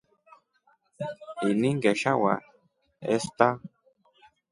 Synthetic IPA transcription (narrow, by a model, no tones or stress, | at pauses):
iniŋɡeʃawa̰ | est̪a